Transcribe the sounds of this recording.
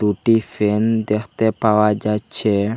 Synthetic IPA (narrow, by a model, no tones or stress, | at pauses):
uʈifɛnd̪ɛht̪ɛpawad͡ʒat͡ʃɛ